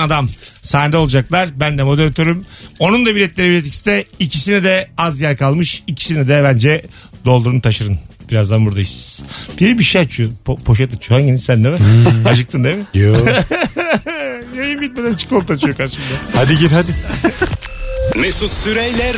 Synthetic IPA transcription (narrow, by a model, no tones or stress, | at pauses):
ad̪amsaːnd̪aolˠud͡ʒaklˠaɾbænd̪ɛmo̞d̪eɾat̪ʰøɾymo̞nund̪abiɾɛt̪lʲeɾibiɾɛt̪ici̥st̪ɛicʰis̬inid̪ɛazjæɾkalˠmɯʃicʰi̥sinɛd̪ɛbænd͡ʒɛ | d̪o̞lˠd̪uɾunut̪ʰaʃɯɾɯnbiɾazd̪anbuɾd̪ajiz̥b̥iɾbiʃejat͡ʃʰupʰo̞ʃ̬at̪ɯt͡ʃʰohaŋɟenisænːɛmɛad͡ʒɯk̚t̪ʰɯnd̪emɪjo | jajɯmbit̪̚med̪ænt͡ʃʰɯ̥kɯolˠt̪ʰat͡ʃʰɯjokʰaɾʃɯmd̪ahad̪iɟiɾɦad̪ɪ | mesut̪syɾejlʲæɾ